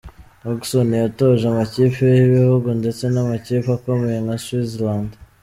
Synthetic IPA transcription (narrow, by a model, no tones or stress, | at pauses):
moksonijatoʒamaciːpejiβihuɡunde̞t͡se̞namaciːpakomeeŋaswizland